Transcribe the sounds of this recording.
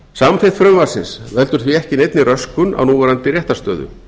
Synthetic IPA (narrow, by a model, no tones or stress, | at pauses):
samfɪt̪fɾœmvar̥sɪnsvɛlt̪ʏɾ̥θviɛhcɪnejt̪nɪrœskʏna̰wnuːvɛɾant̪ɪrjɛht̪ḁst̪œ̰ːðʏ̰